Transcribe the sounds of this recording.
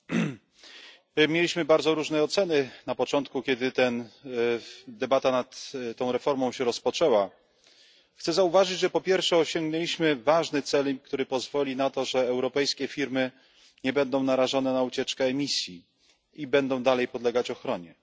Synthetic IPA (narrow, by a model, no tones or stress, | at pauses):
mʲjelʲiɕmɘbaɾd̪zɔɾuʐnɛɔt̪sɛnɘnapɔt͡ʂɔnt̪̚kukʲɛd̪ɘt̪ɛn | d̪ɛbat̪anat̪t̪ːɔ̃w̃ɾɛfɔɾmɔ̃w̃ɕɛɾɔspɔt͡ʂɛwa | xt̪sɛzauvaʐɘd͡ʑʐɛpɔpʲjɛɾfʂɛɔɕɔŋɡnɛlʲiɕmɘvaʐnɘt̪sɛlkt̪uɾɘpɔzvɔlʲinat̪ɔʐɛːwɾɔpɛjskʲɛfʲiɾmɘ | ɲɛbɛnd̪ɔ̃w̃naɾaʐɔnɛnaut͡ɕɛt͡ʂkɛːmʲisʲji | ibɛnd̪ɔ̃w̃d̪alɛjpɔd̪lɛɡat͡ɕɔxɾɔɲɛ